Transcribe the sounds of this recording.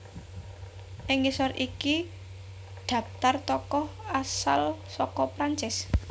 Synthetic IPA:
ʔɪŋːisɔrʔiki | ɖ̪̥ä̤p̚t̪art̪ɔkɔhasalsɔkɔpɾaɲt͡ʃɪs

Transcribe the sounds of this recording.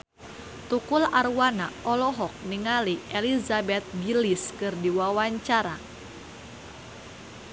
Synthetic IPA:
t̪ukularwanaʔɔlɔɦɔk̚niŋaliʔelizabɛt̪̚ɡiliskɨrdiwawaɲt͡ʃaɾa

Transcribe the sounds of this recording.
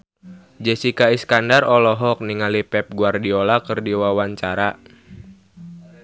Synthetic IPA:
d͡ʒɛsikaiskandarɔlɔɦɔk̚niŋalipɛp̚ɡuardiolakɨrdiwawaɲt͡ʃaɾa

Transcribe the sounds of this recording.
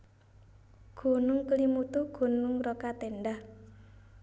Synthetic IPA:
ɡ̥o̤nʊŋklimut̪uɡ̥o̤nʊŋrokat̪enɖah

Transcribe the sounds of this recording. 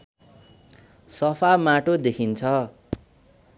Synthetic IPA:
sʌpʰamaʈod̪ekʰint͡sʰʌ

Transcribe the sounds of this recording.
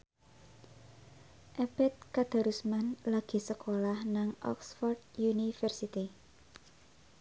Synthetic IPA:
ʔɛb̥ɛt̪̚kad̪̥a̤ɾusmanlaɡ̥i̤səkolahnaŋʔɔ̰ksfɔrd̪junifərsit̪i

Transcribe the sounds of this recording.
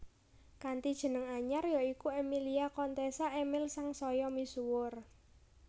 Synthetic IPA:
kant̪id̥ʒ̥ə̤nəŋaɲarjɔikuɛmiliakɔnt̪esaʔemɪlsaŋsɔjɔmisuwʊr

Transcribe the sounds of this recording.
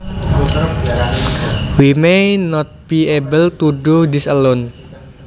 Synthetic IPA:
wimenɔt̪̚b̥iebəlt̪uduhdisəlon

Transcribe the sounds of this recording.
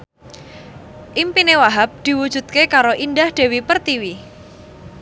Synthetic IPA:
ʔimpinewaɦap̚d̪̥i̤wud̥ʒ̥ṳt̪̚kekaɾoʔind̪ahd̪̥e̤wipərt̪iwi

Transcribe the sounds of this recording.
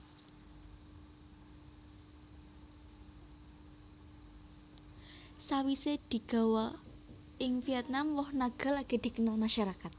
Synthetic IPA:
sawised̪̥i̤ɡ̥a̤wɔ | ɪŋfiɛt̪̚namwɔhnaɡ̥a̤laɡ̥e̤d̪̥i̤kənalmaʃaɾakat̪̚

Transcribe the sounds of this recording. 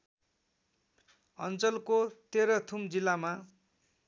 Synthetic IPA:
ʌ̰nt͡sʌlkot̪eɾʌt̪ʰumd͡zilːama

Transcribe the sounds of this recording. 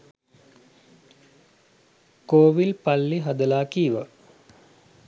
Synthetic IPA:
koːʋilpalːiɦad̪əlaːkiːʋə

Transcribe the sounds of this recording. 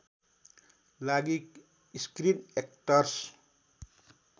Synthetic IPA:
laɡik | iskɾinek̚ʈʌrs

